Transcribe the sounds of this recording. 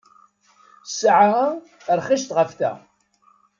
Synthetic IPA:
sʕa | ɾˤχiʃt̪ʁəfθæ̰

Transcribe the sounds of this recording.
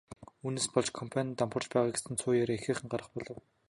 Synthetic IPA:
uːneːspɔɮt͡ɕkʰɔmpʰant̪ampə̆rt͡ɕpæːʁaːɡe̥sɘ̆nt͡sʰʊːjaɾeːexeːχɘ̆ŋɢaɾə̆χpɔɮɞ̆w

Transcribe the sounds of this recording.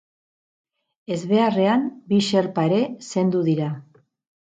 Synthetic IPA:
e̞zβe̞are̞ambiʃe̞ɾpaeɾe̞se̞nd̪uðiɾa

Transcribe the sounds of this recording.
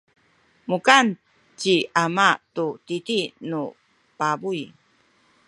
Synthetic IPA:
mukan | t͡ɕiamatutitinu | pabuj

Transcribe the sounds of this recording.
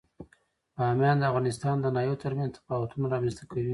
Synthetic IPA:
amjɑnd̪əafɣɑnɪst̪ɑnd̪ənɑjowt̪əɾmanzt̪ʰḁfɑwat̪unaɾɑmɛnst̪akawi

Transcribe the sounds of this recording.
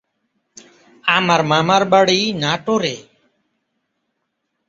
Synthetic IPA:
aːmaɾmaːmaɾɓəɽiːnaːʈoːɾeː

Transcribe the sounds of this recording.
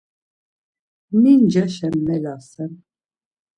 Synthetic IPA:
mind͡ʒaʃɛmːɛlasɛm

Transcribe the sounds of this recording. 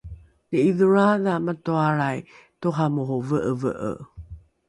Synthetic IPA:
nəiðəɹaðamatoaɾaj | toɦamuɦovəʔəvə̰ʔə̰

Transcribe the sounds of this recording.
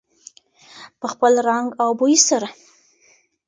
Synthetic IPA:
pəxpəlɾaŋɡawbojisaɾa

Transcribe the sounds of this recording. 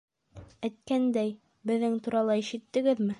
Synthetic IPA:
æt̪̚kænd̪æj | bɘ̆ðːɘŋt̪uɾɑlˠɑiʃɘ̆t̪ːɘ̆ɡɘðmɘ

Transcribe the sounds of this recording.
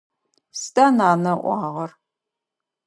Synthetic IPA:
stʼaːnaːnɐʔʷɑːʁɐr

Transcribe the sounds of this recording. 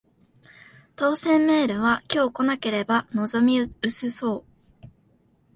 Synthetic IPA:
t̪o̞ːsẽ̞mːe̞ːɾɯ̟β̞akʲo̞ːko̞nake̞ɾe̞bano̞zo̞mʲiɯ̟sɨso̞ː

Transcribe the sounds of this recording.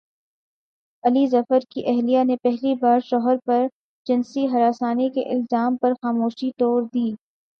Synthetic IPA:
ɐlizɐfəɾkiʔɛɦlijanepɛɦlibaːɾʃɔɦəɾpɐɾ | d͡ʒɪnsiɦɐɾaːsaːnikḛʔɪ̰lzaːmpɐɾxaːmoːʃit̪ɔːɾd̪iː

